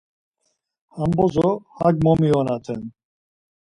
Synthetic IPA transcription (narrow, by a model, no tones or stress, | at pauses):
hambozohaɡ̚momijonat̪ʰɛ̰n